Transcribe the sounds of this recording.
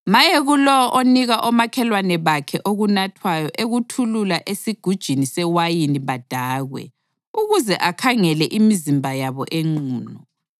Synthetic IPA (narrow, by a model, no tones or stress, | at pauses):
majeɣulɔɔʔoniɣaʔɔmakʰɛlwanɛβakʰɛʔoɣunatʰwajɔʔeɣutʰululaʔesiɡ̥ʱud̥ʒ̥ʱinisɛwajiniβad̥ʱaːɣwɛ̰ | uɣuzɛʔakʰaŋɛlɛʔimizimbʱajaβɔ̰ʔeŋ͡ǀuːnɔ